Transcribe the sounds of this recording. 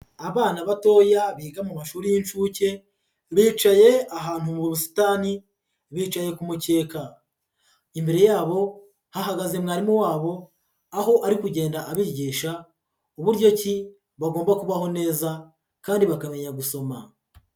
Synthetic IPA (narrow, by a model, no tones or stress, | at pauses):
aβaːnaβato̞ːjaβiːɡamumaʃuːɾijint͡ʃuːce̞ | βiːt͡ʃaje̞aɦaːn̥humuβuβusi̥taːni | βiːt͡ʃaje̞kumuce̞ːka | imbeɾe̞jaːβo̞ | haɦaɡaze̞mŋaːɾimuwaːβo̞ | aho̞ʔaɾikuɟe̞ːndaʔaβiɾɟiːʃa | uβuɾɟo̞ci | βaɡoːmbakuβaho̞ne̞ːza | kaːndiβakame̞ɲaɡuso̞ma